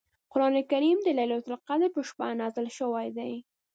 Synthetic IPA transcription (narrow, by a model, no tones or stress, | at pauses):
qʊɾɑnekaɾimd̪əlajlat̪ʊlqad̪əɾpəʃpa̰nɑzəlʃəwajd̪aj